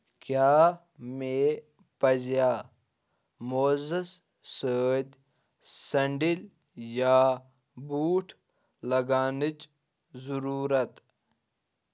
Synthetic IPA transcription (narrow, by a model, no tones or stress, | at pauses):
kjaː | me | pɐzjaː | mozɐs | səːd̪ʲ | sɐɳɖil | jaː | buːʈʰ | lɐɡaːnit͡ʃ | zuɾuːɾɐt̪